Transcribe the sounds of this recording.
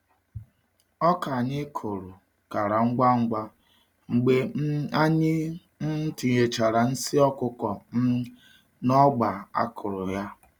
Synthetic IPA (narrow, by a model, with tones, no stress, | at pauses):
ɔ˦ka˨ɲɪ˦kʰo˨ɾo˨ | ka˨ɾa˨ŋ͡m̩˦ɡ͡ba˦ŋ͡m̩˦ɡ͡ba˦ | ŋ͡m̩˨ɡ͡be˦a˦ɲɪ˦ | n̩˦tɪ˨je˨t͡ʃa˨ɾa˨n̩˦sɪ˦ɔ˦kʊ˦kɔ˨m̩˦ | nɔ˦ɡ͡ba˨a̰˦kʰʊ˨ɾʊ˨ja˦